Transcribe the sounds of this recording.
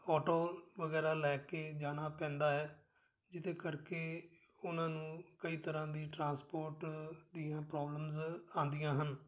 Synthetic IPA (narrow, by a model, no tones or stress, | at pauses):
ɔːʈoːʋəɡɛːɾaːlɛːkeːd͡ʒaːnaːpɛ̃ːnd̪aːɦɛː | d͡ʒɪt̪ẽːkəɾkeː | ʊnãːnũːkəiːt̪əɾãːd̪iːʈɾãːspoːɾʈd̪ijãːpɾɔːbləmzãːnd̪ɪjãːɦən